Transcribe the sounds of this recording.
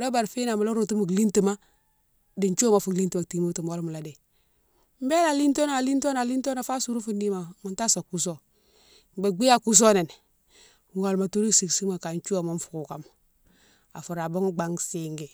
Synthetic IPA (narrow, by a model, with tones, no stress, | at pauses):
da˦ba˨ɾfi˦na˨ma˨lo˦ɾo˨tu˦mu˨kli˦nti˨ma˦ | di˨ɲt͡ʃːma˨fu˨li˦nti˦ma˨ti˨mu˦tu˨m˨wo˦lmu˨la˨de˨ | m˦be˦la˨li˦nto˦n˨a˨li˦nto˦na˨li˦nto˦na˨fa˦su˨˦ɾu˦fu˦ndi˦ma˨ma˨nta˦so˨ku˦s̬o˦ | be˨ɡ͡bi˦ja˦˨ku˦s̬o˦ne˨n | u˨ŋo˨lma˨tu˦ɾi˦si˨ksi˦ma˨ka˨nt͡ʃu˦a˨ma˦ɱ˦fu̥˨ku˨ka˦m | a̰˨fu˨ɾa˨bo˦ŋ˦ɡ͡ba˨ŋsi˨ŋɡi˨